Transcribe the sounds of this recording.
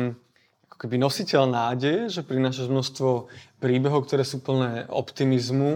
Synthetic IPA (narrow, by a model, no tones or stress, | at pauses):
ʔakɔ̥kɛbinɔsicɛlnaːɟɛjɛʒɛpɾinaːʃ̬aʒmnɔʃt̪ʋɔpɾiːbɛɦɔʊk̚t̪ɔɾɛːsuːpl̩nɛːɔ̰pt̪imizmu